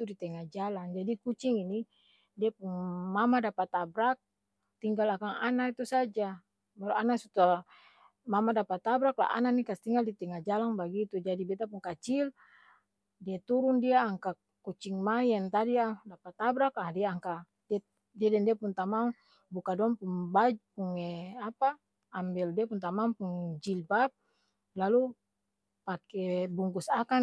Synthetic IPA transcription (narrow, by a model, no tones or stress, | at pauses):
t̪udit̪ɛŋad͡ʒalaŋd͡ʒadikut͡ʃiŋini | diapuŋmamadapat̪abɾak̚ | t̪iŋɡalakaŋanait̪usad͡ʒa | baluanasut̪a | mamadapat̪abɾakla̰ʔa̰nanikast̪iŋɡaldit̪ɛŋad͡ʒalaŋbaɡit̪ud͡ʒadibɛt̪apuŋkat͡ʃil | diat̪uɾundiaːŋka | kut͡ʃiŋmaijant̪adiadapat̪abɾakadiaːŋka | da | diadɛndiapunt̪amaŋ | bukadɔŋpuŋbad͡ʒpuŋɛapaː | mbildiapunt̪amaŋpuŋd͡ʒilbap̚ | lalu | pakɛbuŋɡusaka